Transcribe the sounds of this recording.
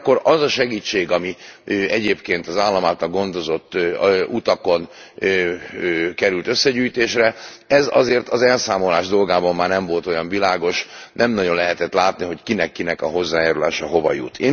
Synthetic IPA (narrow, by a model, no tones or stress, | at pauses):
kːo̞ɾɒzɒʃɛɡiːt͡ʃːeːɡɒmiɛɟeːpkeːnt̪ɒzaːlːɒmaːt̪ɒɡo̞nd̪o̞zo̞t̪ːut̪ɒko̞n | kɛɾylt̪øsːɛɟyːjt̪eːʃrɛɛzɒ̰zeːrt̪ɒzɛlsaːmo̞laːʒd̪o̞lɡaːbɒmːaːrnɛɱvo̞lt̪o̞jɒɱvilaːɡo̞ʃnɛmnɒɟonlɛɦɛt̪ɛt̪laːt̪niɦo̞ckinɛkːinɛkɒɦo̞zːaːjaːɾula̰ːʃɒɦo̞vɒ̰jṵt̪ʰeː